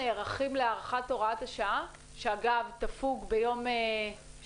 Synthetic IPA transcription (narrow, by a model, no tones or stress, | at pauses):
eʁaχimleaːʁaχato̞ʁathaʃaa | ʃeaɡavt̪afuɡbejo̞me